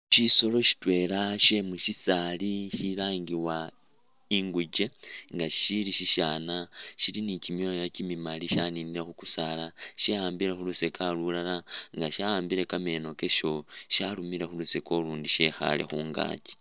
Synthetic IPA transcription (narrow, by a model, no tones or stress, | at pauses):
ʃiso̞lo̞ʃi̥twe̞laʃe̞muʃisaliʃilaːŋɡiwa | iŋɡuɟe̞ŋɡaʃiliʃiʃaːnaʃilinicimjojacimimaliʃaniniɾexuku̥salaʃeaːmbiɾexulusekalulalaŋɡaʃaaːmbiɾe̞kame̞no̞ke̞ʃo̞ʃalumiɾe̞xuluseko̞luːndiʃe̞xa̰le̞̰xuːŋɡa̰ːɟi̥